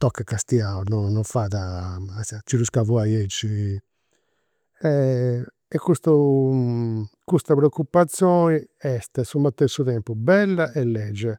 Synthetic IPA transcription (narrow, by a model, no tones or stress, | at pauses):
t̪ɔkːakast̪iaunɔnɔfaːðast͡ʃiɾuskavɔajed͡ʒi | ɛ | ɛkːust̪u | kust̪apɾɛokːupːat̪sːjɔːni | ɛst̪ɛsumat̪ːɛsuðɛmpubɛlːaʔɛlːɛːd͡ʒːɛ